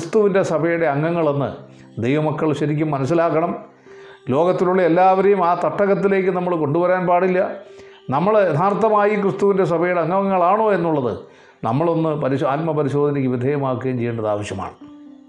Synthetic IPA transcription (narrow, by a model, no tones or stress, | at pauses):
st̪uʋinde̞sɐbʱɐjuɽe̞ɐŋːɐŋːɐɭo̞nːɨ̰ | d̪ejʋɐmɐkːɐɭɕɐɾikʲːumːɐnɐs̬ːilaːkːɐɳɐm | lo̞ːɡɐt̪ːiluɭːɐelːaːʋɐɾejumaːt̪ɐʈːɐɣɐt̪ːile̞ːkʲːɨnɐmːɐɭko̞ɳɖuʋɐɾaːnpaːɽilːɐ | nɐmːɐɭɐd̪ʱaːɾɐt̪ːɐmaːjikɾrɨst̪uʋinde̞s̬ɐbʱɐjuɽeɐŋːɐŋːɐɭaːɳoːe̞n̪ːuɭːɐðɨ̰ | nɐmːɐɭo̞nːɨpɐɾiaːt̪mɐpɐɾiɕo̞ːd̪ʱɐnɐkːiʋid̪ʱeːjɐmaːkːɨɐjmt͡ɕejuɳɖɐða̰ːʋɐɕjɐma̰ːɳ